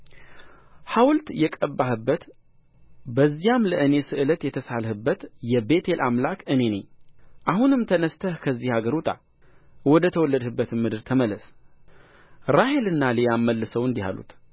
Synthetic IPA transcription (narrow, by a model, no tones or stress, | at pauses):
hawlt̪jɛkʼəbːahɨbːət̪ | bəzːijamləʔɨne̞sɨʔɨlət̪jɛt̪ʰəsalhɨbːət̪jɛbe̞t̪ʰe̞lʔamlakʰɨne̞nəɲːʔaɦunɨmt̪ʰənəst̪ʰəhkʰəzːihaɡəɾut̪ʼa̰ | wɔd̪ət̪ʰəwɔlːəd̪hɨbːət̪ɨmːɨd̪ɨɾt̪ʰəməlːəs | ɾahe̞lɨnːaləjamːəlːɨsəwɨnd̪iha̰lṵt̪